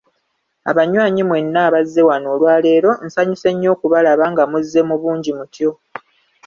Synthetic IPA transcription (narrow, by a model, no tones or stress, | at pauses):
a̰βaɲwaːɲimwe̞nːaːβazːe̞wano̞ːlwaːle̞ːɾo̞n̩saɲise̞ɲːo̞ːkuβalaβaŋɡamuzːe̞muβuːɲɟimutjo̞